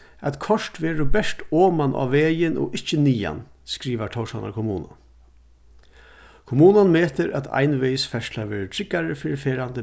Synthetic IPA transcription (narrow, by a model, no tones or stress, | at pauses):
æt̪kʰɔʂt̪ʋɛːɾʊbɛʂʈoːmanʔa̰ːʋeːjɪnɔ̰ʔɪht͡ʃəniːa̰n | skɾiːʋaʈ̪ʰɔwʂana̰ɾkʰʊmuːna̰ | kʰʊmuːnanmeːt̪ɪɾʔæ̰t̪ʰa̰jnʋeːjsfɛʂʈlaɾʋɛːɾətʰɾɪkːaɾəfɪːɾɪfeːɾand̪ə